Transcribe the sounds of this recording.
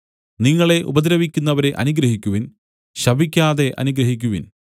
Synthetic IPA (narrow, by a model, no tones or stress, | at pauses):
niŋːɐɭe̞ʔṵbɐd̪ɾɐʋikʲːunːɐʋɐɾe̞ʔɐ̰nuɡɾɐɦikʲːuʋin | ɕɐbʱikʲːaːðe̞ʔɐ̰nuɡɾɐɦik̬ʲːuʋin